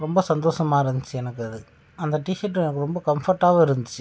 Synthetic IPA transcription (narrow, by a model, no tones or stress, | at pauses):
ɾɔmbɐsɐnd̪oːʂɐmaːɪɾɯnd̪ɯt͡ʃːɯɛnɐkːɯɐðɯ | ɐnd̪ɐʈɪʃɐʈ̬ːɯɛnɐkːɯɾɔmbɐkɐmfɐɾʈːaːɣɐɪɾɯnd̪ɯt͡ʃːɯ